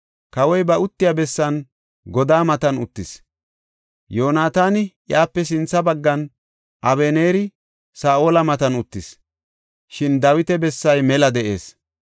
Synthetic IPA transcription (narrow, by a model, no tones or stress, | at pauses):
kɐwɔjbɐʊt̪ːɪjabɛsːɐn | ɡɔd̪aːmɐt̪ɐnʊt̪ːɪs | joːnaːt̪aːnɪʔjaːpːɛs̬ɪnt͡sːɐbɐɡːɐn | ʔɐβeːneːɾɪ | saːʔo̞ːlɐmɐt̪ɐnʊt̪ːɪs | ʃɪnd̪ɐwɪt̪ɛbɛsːɐjmɛlɐd̪ɛʔe̞̰ːs